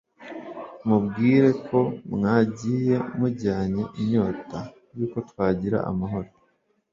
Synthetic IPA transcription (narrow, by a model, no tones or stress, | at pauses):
mubɡiːɾe̞kʰo̞mŋaːɟiːje̞muɟaːɲe̞ʔiɲo̞ːta | juːko̞twaːɟiɾa̰a̰maɦo̞ɾo